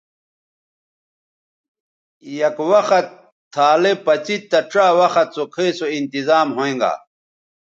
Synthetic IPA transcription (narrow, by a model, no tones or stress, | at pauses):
jɐkwɐxɐt̪ʰː | aːlepɐt͡ɕit̪t̪ːɐʈ͡ʂaːwɐxɐt̪̚sokʰeisoint̪izaːmɦoẽŋɡa̰ː